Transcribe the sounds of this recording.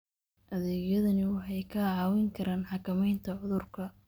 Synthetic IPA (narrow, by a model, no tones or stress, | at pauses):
ʔɐðɛːɣjɐðɐnɪwɑħɑjkʰɐʕɑːwɪŋkʰɐɾʔaːnħɑkʰɐmɛjnt̪ʰɐʕʊðʊrkʰɐ